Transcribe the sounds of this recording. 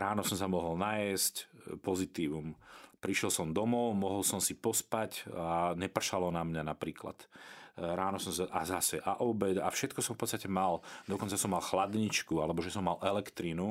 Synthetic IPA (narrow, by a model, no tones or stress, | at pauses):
ɾaːnɔsɔmsamɔɦɔlnajɛscpɔzit̪iːʋumpɾiʃɛlsɔmd̪ɔmɔʊmɔɦɔlsɔmsipɔspacaɲɛpr̩ʃalɔnamɲanapɾiːkla̰t̪ | ɾaːnɔsɔmsaʔazasɛʔaʔɔbɛt̪afʃɛt̪̚kɔsɔmfpɔt̪st̪acɛmald̪ɔkɔnt͡sasɔmːalxlad̪ɲit͡ʃkualɛbɔʒɛsɔmːalʔɛlɛkt̪ɾinu